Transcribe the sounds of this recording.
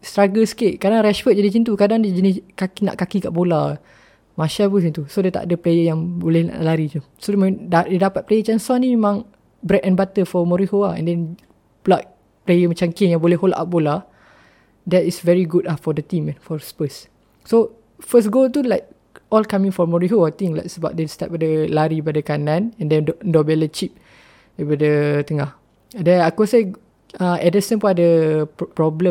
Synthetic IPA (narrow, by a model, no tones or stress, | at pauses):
st̪ɾaɡəskeʔkadaŋɾɛʃfət̚d͡ʒadit͡ʃint̪̬ukadaŋdəd͡ʒəniskakina̰ʔkakika̰ʔbola | mãʃabusint̪usodet̪a̰ʔadəplejəjãŋbolɛhna̰ʔlaɾit̪u | sodmdadedapat̪̚plejət͡ʃansanĩmemãŋ | bɾɛtɛ̃nbat̪əfɔmɔɾihoaɛ̰̃ndɛ̃n | plak̪̚ | plejəmat͡ʃamkinjãŋbolɛɦolaʔap̚bola | dɛtisvɛɹiɡutafɔdət̪ĩmɛ̃nfɔspəs | so | fəsɡot̪ulaɪk̚ | ʔɔlkamĩŋfɔmɔɹiɦoajt̪ĩŋla̰tsəba̰ʔ̚dɛ̃nst̪at̚badəlaɾibadəkanãnɛ̃ndɛ̃ndɔbɛlət͡ʃip̚ | əbadət̪əŋah | dɛnakɔsa | ãɛdəsə̃npũnadəpɹɔblə̃